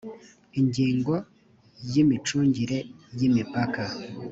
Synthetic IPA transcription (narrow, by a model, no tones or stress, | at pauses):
iɲɟiːŋɡo̞ | jimit͡ʃuːɲɟiɾe̞jimipaka